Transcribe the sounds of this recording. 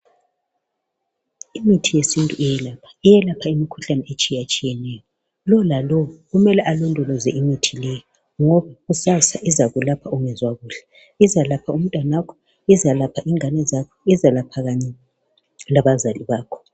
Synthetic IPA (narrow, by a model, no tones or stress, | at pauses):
imitʰijesintʼuijɛlapʰḁijɛlapʰaimikʰuɬanɛet͡ʃʼijat͡ʃʼijɛnɛjɔ | lɔlalɔɣumɛlɛʔalɔndʱɔlɔzɛʔimitʰilɛjɔ | ŋɔβaɣusasaʔizaɣulapʰaɔŋɛzwaɣuːɬɛ̥ | izalapʰaum̩tʼwanakʰɔ̥ | izalapʰaʔiŋanɛzakʰɔizalapʰaɣaɲɛ | laβazaliβaːkʰɔ̥